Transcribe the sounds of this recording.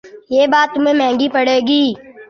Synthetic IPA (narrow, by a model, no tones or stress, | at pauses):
jeːbaːt̪ːʊmẽːmɛ̃ːŋɡiːpəɽeːɡiː